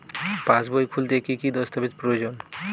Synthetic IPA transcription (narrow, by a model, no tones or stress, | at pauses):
pãsbojkʰult̪ekikid̪ɔst̪apit̪pɾood͡ʑon